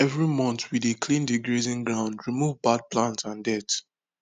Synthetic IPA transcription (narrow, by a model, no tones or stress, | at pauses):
ɛvɹimɔ̃ntwidekʰlĩndiɡɹizĩŋɡɹãʊ̃ndɹimuvbad̚plãntãndɛt